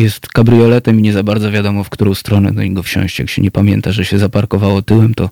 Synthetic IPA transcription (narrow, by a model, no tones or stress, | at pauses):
jɛst̪kabɾɨjɔlɛt̪ɛmiɲɛzabaɾd̪ɔvʲjad̪ɔmɔfkt̪uɾɔ̃w̃st̪ɾɔnɛ̰d̪ɔ̰ɲɛɡɔfɕɔ̰̃w̃ɕt͡ɕja̰kɕɛ̰ɲɛpamʲjɛnt̪aʐɛɕɛzapaɾkɔvawɔt̪ɘwɛmt̪ɔ